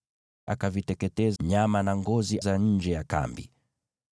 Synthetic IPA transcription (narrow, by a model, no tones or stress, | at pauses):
a̰kavitɛkɛtɛzɲamanaŋɡɔzizaɲ̩d͡ʒɛjaka̰mbḭ